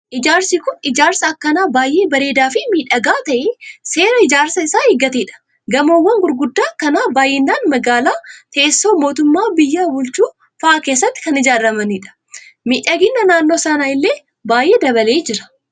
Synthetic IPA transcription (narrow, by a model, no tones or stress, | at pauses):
ʔɪd͡ʒaːɾsikʊnɪd͡ʒaːɾsɐɐkːɐnaːbaːjʔe̞ːbɐɾe̞ːd̪aːfɪmiːᶑɐɡaːt̪ɐʔɪse̞ːɾɐɪd͡ʒaːɾsɐɪsaːɪɡɐt̪eːᶑɐ̥ | ɡɐmoːwːɐŋɡʊɾɡʊd̪ːaːkɐnaːbaːjʔeːnːaːnmɐɡaːlaːt̪ɐʔesːoːmo̞ːt̪ʊmːaːbɪjːabʊlt͡ʃuː | fɐʔaːke̞ːs̬ːɐt̪ːɪ̥kɐnɪd͡ʒaːɾɐmɐnɪᶑɐ̥ | miːᶑɐɡɪnːɐnaːnːo̞ːsɐnaːɪlːeː | baːjʔe̞ːd̪ɐbɐleːd͡ʒɪɾɐ̥